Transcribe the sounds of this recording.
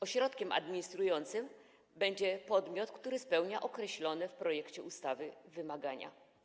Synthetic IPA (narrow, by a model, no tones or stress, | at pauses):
ɔɕɾɔt̪kʲɛma̰d̪mʲiɲist̪ɾujɔnt̪sɘm | bɛɲd͡ʑɛpɔd̪mʲjɔt̪kt̪uɾɘspɛwɲaʔɔkɾɛɕlɔnɛfpɾɔjɛkt͡ɕɛust̪avɘvɘmaɡaɲa̰